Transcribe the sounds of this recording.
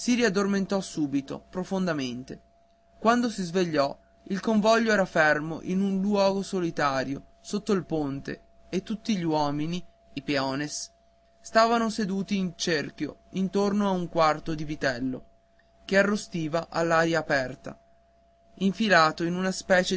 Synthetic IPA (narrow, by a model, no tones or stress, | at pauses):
siɾiad̪ːorment̪ɔsuːbit̪o̰pɾofond̪ament̪e | kwand̪osizveʎːɔ | ilkoɱvɔʎːoɛːɾafermo̰ʔinunlwɔːɡosolit̪aːɾjosot̪ːoilpont̪ḛ | et̪ːut̪ːiʎiwɔːmini | ipeɔːnes | st̪aːvanosed̪uːt̪iːnt͡ʃerkjo̰int̪ornoauŋkwart̪od̪ivit̪ɛlːo̰ | kearːost̪iːvaʔa̰lːaːɾjaːpɛrt̪a̰ | iɱfilaːt̪oinunaspɛːt͡ʃe